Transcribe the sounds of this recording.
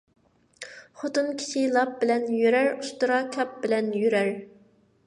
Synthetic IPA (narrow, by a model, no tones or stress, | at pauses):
χot̪unkʲʰi̥ʃilˠɑp̚bɪlɛnjøɾæɾust̪ʊɾɑkʲʰɑp̚b̥ɪlɛnjyɾæɾ